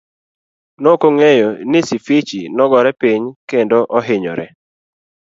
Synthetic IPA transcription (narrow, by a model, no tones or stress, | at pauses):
nokoŋejonɪsifit͡ʃḭnɔɡɔɾɛpiɲkendoʔɔɦɪɲɔ̰ɾɛ